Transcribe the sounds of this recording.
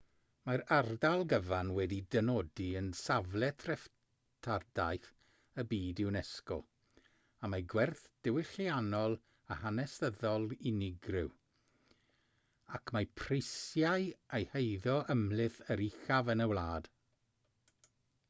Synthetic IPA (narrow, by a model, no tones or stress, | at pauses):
maɾardalˠɡəvanwɛdidənɔdiənsavlˠɛtʰrɛf | tʰardajθ | əbiːdɪwnɛskɔ̰ | amaɡwɛrθd̥ɪwɪɬianɔlˠ | ahanɛsəðɔlˠinɪɡrɪw | akʰmapʰrɪsjajejhejðɔəmlˠɪθəɾixavənəwlˠaːd̥